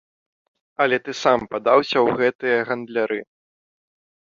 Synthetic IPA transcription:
ɐlʲɛt̪ɨsampad̪awsʲɐwɣɛt̪ɨjɐɣɐnd̪lʲaɾɨ

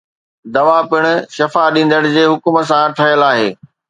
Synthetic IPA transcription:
d̪ɐʋapɪɽ̃ʊ̆ʃɐfaɗĩːn̆d̪əɽɪ̆d͡ʑeːɦʊkmə̆s̬ãt̪ʰɐjəlaːɦḛː

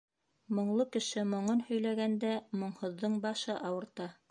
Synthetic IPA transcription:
mŏɴlˠɤkɘ̆ʃɘmŏɴɤnhɵ̆jlæɡænd̪æmŏɴhŏðːɤɴbɑʃɤʔɑwɤ̆ɾt̪ɑ

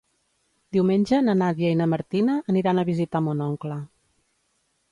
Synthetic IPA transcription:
d̪iwmeɲʲd͡ʒənənaðjejnəməɾt̪inəʔːniɾanəβizit̪amonɔŋklə

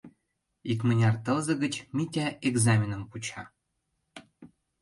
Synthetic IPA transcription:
ikmə̆nʲɑrt̪ɤ̆lzɤ̆ɡə̆t͡ɕmʲitʲæeɡzamʲinə̆mput͡ɕɑ

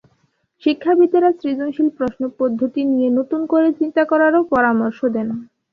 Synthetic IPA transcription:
ʃikʰːabit̪eɾasɾid͡ʑoŋʃilpɾoʃnopod̪ʱːot̪inijenot̪unkoɾet͡ɕint̪akɔɾaɾopɔɾamoɾʃod̪ɛn

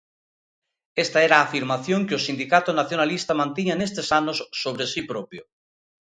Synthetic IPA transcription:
est̪aɛɾaːfiɾmaθjõŋkeʊsind̪ikat̪ʊnaθjonalist̪amãnt̪iɲanest̪esanosːoβ̞ɾesipɾopjo

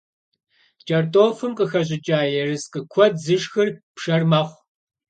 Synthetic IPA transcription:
t͡ʃʼɐrtʼoːfɨmqəxɐɕ̬ʼɪt͡ʃʼaːjɛrɨsqəkʷʰɔdzɨʃxɨrpʂɐrmɐχʷ

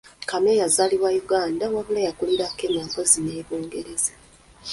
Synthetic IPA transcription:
kamejazaliβwajuɡaːndawaβulajakuliɾakemakozine̞ːβuːŋɡe̞ɾe̞zḁ

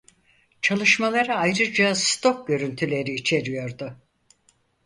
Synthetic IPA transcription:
t͡ʃʰalˠɯʃmalˠaɾɯajɾɯd͡ʒast̪ʰo̞k̚ɟø̞ɾynt̪ʰylʲe̞ɾiːt͡ʃʰe̞ɾijo̞ɾd̪ʊ

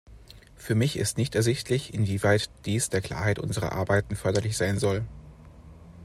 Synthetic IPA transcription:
fyːɐmɪçɪ̰stnɪçtɛɐzɪçtʰlɪçɪnviːvaɪtd̥iːsd̥eːɐkl̥a̰ːɐɦaɪtʔʊ̰nzəʁɐ̰ʔa̰ɐbaɪtn̩fœɐdɐlɪçz̥aɪnzɔl

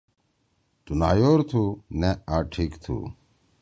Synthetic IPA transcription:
t̪unaːjoːɾt̪ʰuneaːʈʰikt̪ʰṵː

